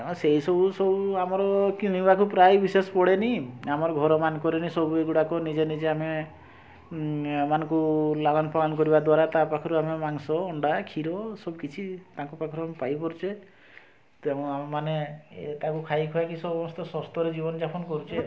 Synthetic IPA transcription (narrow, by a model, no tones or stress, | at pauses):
seɦisɔbusɔbuamɔɾɔkinibakupɾajbisespɔɽeniamɔɾɔɡʱɔɾɔmankɔɾenisɔbueɡuɽakɔnid͡ʒenid͡ʒeame | manɔŋkulaɡanpalanɔkɔɾibad̪waɾat̪apakʰɔɾuamemaŋsɔːɳɖakʰiɾɔsɔbukit͡ʃʰit̪ãkupakʰɔɾuamepajpɔɾut͡ʃʰe | t̪ẽamemanet̪akukʰajkʰɔakisɔbɔmɔst̪ɔsɔst̪ʰɔɾed͡ʒibɔnɔd͡ʒapʰɔnɔkɔɾut͡ʃʰe